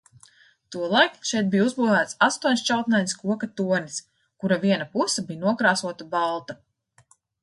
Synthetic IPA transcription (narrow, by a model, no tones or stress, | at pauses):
t̪uɔlˠajkʃɛjt̪̚bijuzbuːvæːt̪sast̪uɔnʲst͡ʃawt̪najnʲskuɔkat̪uɔnʲis | kuɾaviɛnapusɐbijnuɔkɾaːsuɔt̪abalˠt̪a